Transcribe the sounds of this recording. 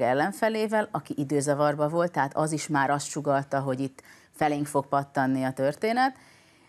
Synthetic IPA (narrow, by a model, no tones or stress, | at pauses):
ɛlːɛɱfɛleːvɛlɒkiʔid̪øːzɒvɒrbɒvo̞lt̪ːɛɦaːt̪ɒziʃmaːɾɒst̪ʃuɡɒlt̪ɒɦo̞ɟit̪ː | fɛleːŋkfo̞k̚pɒt̪ːɒnːiɒt̪ørt̪eːnɛt̪